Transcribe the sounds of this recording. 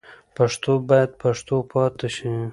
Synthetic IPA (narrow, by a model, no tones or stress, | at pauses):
paʂt̪obɑjad̪paʂt̪opʰɑt̪eʃi